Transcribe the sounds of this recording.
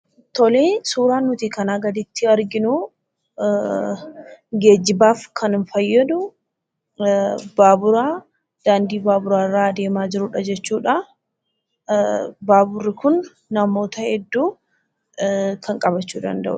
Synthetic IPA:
t̪ɔleːsuːɾaːnːʊt̪ikɐnaːɡɐd̪ɪt̪ːɪɐɾɡɪnuː | ɡe̞ːd͡ʒːɪbaːfkʰɐnɪnfɐjːɐd̪ʊ | baːbʊɾaː | d̪̥aːnd̪iːbaːbʊɾaːɾaːd̪e̞ːmaːd͡ʒɪɾʊᶑɐd͡ʒɛt͡ʃːuːᶑɐ | baːbʊrːɪkʊnː | ɐmo̞ːt̪ɐhɛd̪ːuː | kʰɐŋkʼɐbɐt͡ʃːuːd̪ɐ̰nd̪ɐ̰ʔʊ̰

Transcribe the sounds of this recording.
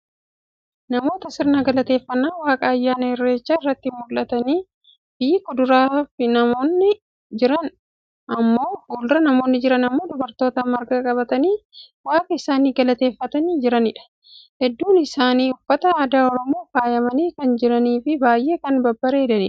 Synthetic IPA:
nɐmo̞ːt̪ɐsɪɾnɐɡɐlɐt̪e̞ːfːɐnːaːwaːkʼɐːjːaːnɐɪrːe̞ːt͡ʃːaːɪrːɐt̪ːɪmʊlːɐt̪ɐniː | b̥iːkːʊd̪ʊɾaːfɪnɐmo̞ːnːɪ | d͡ʒɪɾɐn | ʔɐmːo̞ːfuːlɾɐnɐmo̞ːnːɪd͡ʒɪɾɐnɐmːo̞ːd̪ʊbɐɾt̪o̞ːt̪ɐmɐɾɡakʼɐbɐt̪ɐniː | waːkʼɐɪsaːniːɡɐlɐt̪e̞ːfːɐt̪ɐniːd͡ʒɪɾɐnɪᶑɐ̥ | hɛd̪ːuːnɪsaːniːʊfːɐt̪ɐaːd̪aːɔɾɔmo̞ːfaːjɐmɐniːkɐnd͡ʒɪɾɐniːfɪbaːjʔe̞ːkɐnbɐbːɐɾeːd̪ɐᶑ̪ḛːᶑ

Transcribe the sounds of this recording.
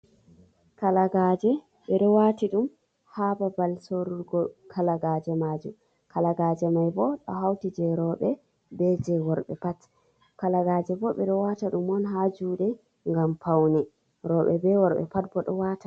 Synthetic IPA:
kalaɡad͡ʒɛ | ɓɛɗɔwatiɗum | hababalsoɾuɾɡɔkʰalaɡad͡ʒɛmad͡ʒum | kalaɡaːd͡ʒɛmajbɔɗɔ̰ɦawtid͡ʒɛɾɔɓɛ | bɛd͡ʒɛwɔɾɓɛ̰pat | kalaɡaːd͡ʒɛbɔɓɛɗɔwataɗumɔnɦad͡ʒuːɗɛ | ŋɡampawnɛ | ɾɔɓɛbɛwɔɾɓɛ̰pat̚bɔɗɔwata

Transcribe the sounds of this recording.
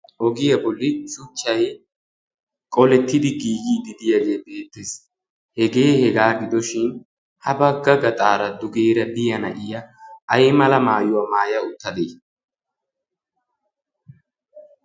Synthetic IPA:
ʔɔɡɪjɐbɔlːɪsʊt͡ʃːɐj | kʼɔlɛt̪ːɪd̪ɪɡiːɡiːd̪ɪd̪ɪjɐɡeːbe̞ːt̪ːes | hɛɡe̞ːhɛɡaːɡɪd̪ɔʃɪn | hɐbɐɡːɐɡɐt̪ʼaːɾɐd̪ʊɡeːɾɐd̪ɪjɐnɐʔɪjɐʔːjmɐlɐmaːjʊwɐmaːjɐʊt̪ːɐd̪eː

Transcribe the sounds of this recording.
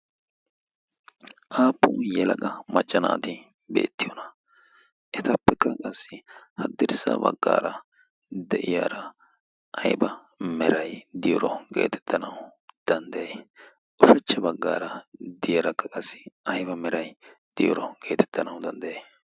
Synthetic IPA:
ʔaːpːʊjɛlɐɡɐmɐt͡ʃʼːɐna̰ːt̪ɪ | be̞̰ːt̪ːɪjɔnɐ̥ | ʔɛt̪ɐpːɛkːɐkʼɐsːɪhɐd̪ːɪɾsɐ̰bɐ̰ɡːa̰ːɾɐ | d̪ɛʔɪjaːɾɐ | ʔɐjbɐ | mɛɾɐjd̪ɪjɔɾɔɡe̞̰ːt̪ʰɛ̥t̪ːɐnɐwʊd̪̥ɐnd̪ɐje | ʔʊfɐt͡ʃːɐbɐɡːa̰ːɾɐd̪ɪjɐɾɐkːɐkʼɐsːɪɐjbɐmɛɾɐjd̪̥ɪj̰ɾɔɡ̥e̞ːt̪ɛ̥t̪ːɐnɐwʊd̪ɐnd̪ɐje

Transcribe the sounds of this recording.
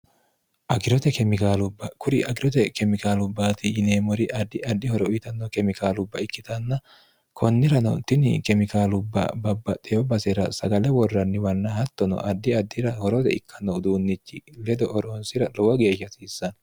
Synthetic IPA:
ʔɐɡɪɾɔt̪ɛkɛmɪkaːlʊbːɐkʊɾɪʔɐɡɪɾɔt̪ɛkɛmɪkaːlʊbːaːt̪ɪjɪneːmɔɾɪʔɐd̪ːɪɐd̪ːɪhɔɾɔʔt̪ɐnːɔkɛmɪkaːlʊbːɐɪkːɪt̪ɐnːɐ | kʰɔnːɪɾɐnɔ̰t̪ɪnɪkɛmɪkaːlʊbːɐ̰bɐbːɐt̪ʼɛjɔbɐsɛɾɐsɐɡɐlɛwɔrːɐnːɪwɐnːɐhɐt̪ːɔnɔ̰ʔɐd̪ːɪɐd̪ːɪɾɐhɔɾɔt̪ɛ̰ɪkʰːɐnːɔd̪uːnːɪt͡ʃːɪlɛd̪ɔʔɔɾoːnsɪɾɐlɔwɐɡe̞ːʃɐsiːsːɐn

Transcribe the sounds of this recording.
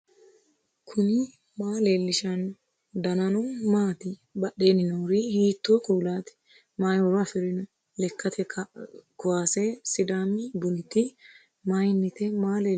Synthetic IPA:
kʰʊnɪ | maːleːlːɪʃɐn | d̪ɐnɐnɔmaːt̪ɪbɐɗe̞ːnɪnɐwɾɪhiːt̪ːoːkʼuːlaːt̪ɪ̥ | maːjɔɾɔɐfɪɾɪnɔ | lɛkːɐt̪ʰɛ | kʊwaːseːsɪd̪aːmɪbʊlɪt̪ɪ | majnːɪt̪ɛmaːleː

